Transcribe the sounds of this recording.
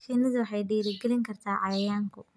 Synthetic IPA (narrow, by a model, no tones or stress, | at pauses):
ʃiːnɪðʊwɑħɑjɖɛːɾɪɡɛlɪŋkʰɐrt̪ʰaːʕɑjɐjaːŋkʰʊ